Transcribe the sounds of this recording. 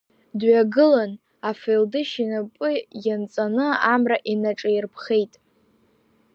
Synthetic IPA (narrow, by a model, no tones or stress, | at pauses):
dɥaɡɨlan | afeldɨʃinapʷʼʊjant͡sʼanɨamraʔinaʈ͡ʂʼajrpʰχe̞jtʼ